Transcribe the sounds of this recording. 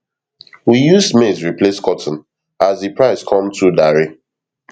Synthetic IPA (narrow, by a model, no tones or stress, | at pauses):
wijuzmezɹipleskʰɔtɔ̃n̩ | azipɹaɪskʰɔ̃mtʰudaɹi